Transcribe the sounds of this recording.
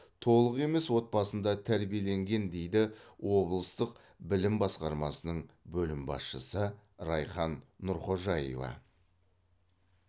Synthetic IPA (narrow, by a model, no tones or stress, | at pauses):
t̪ʰo̞lˠəʁe̞me̞swo̞t̪̚pɑsənd̪ɑt̪ʰæɾbije̞le̞ŋɡʲe̞nd̪e̞jd̪ɪwo̞blˠəst̪əq | bɪlɪmbɑsqɑɾmɑsənəɴbɵlɪmbɑ̰sʃəsəɾɑjχɑnːʊɾχo̞ʒɑjḛvɑ̰